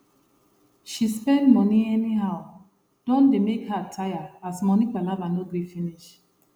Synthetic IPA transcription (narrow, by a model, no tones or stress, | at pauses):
ʃispɛ̃ndmɔniɛniɦaʊ | d̥ɔ̃ndemekhatʰajaasmɔnikɛ̃lavanoɡɾifiniʃ